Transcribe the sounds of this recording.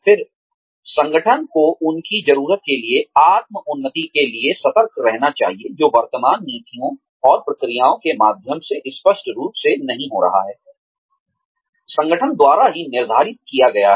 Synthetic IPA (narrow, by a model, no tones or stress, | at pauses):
fɪɾ | sɐ̃ŋɡəʈʰənkoʔʊnkizɐɾuːɾət̪̚kelieaːt̪̚məʊnːət̪ikeliesɐt̪əɾkʰɾɛɦnat͡ʃa̰ːɦied͡ʒoːʋɐɾt̪əmaːnːiːt̪ijõ | ɔːɾpɾɐkɾijaːõkemaːd̪ʱjəmseʔɪspəʃʈɾuːpsenɐɦĩɦoɾɐ̰ɦa̰ɦɛː | sɐ̃ŋɡʱəʈʰənd̪waːɾaɦinɪɾd̪ʱaːɾɪt̪̚kijaɡɐjaɦ